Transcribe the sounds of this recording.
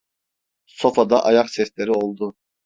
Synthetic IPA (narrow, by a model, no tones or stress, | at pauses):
so̞fad̪aʔɑjaqsɛslʲe̞ɾio̞lˠd̪u